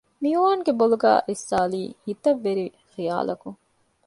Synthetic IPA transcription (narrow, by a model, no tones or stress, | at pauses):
miuʋaːŋɡeboluɡæ̰ːʔisːaːliːhit̪ɐʋːeɾi | xija̰ːlɐku